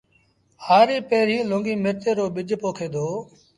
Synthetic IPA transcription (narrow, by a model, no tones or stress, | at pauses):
haːɾiːpeːɾ̤ĩːlõːŋɡiːmeːɾt̪eːɾoːɓɪd͡ʒpoːkʰeːd̪oː